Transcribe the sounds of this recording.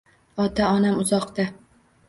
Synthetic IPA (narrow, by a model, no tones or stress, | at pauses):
ɒt̪aɒnamʊzɒqt̪a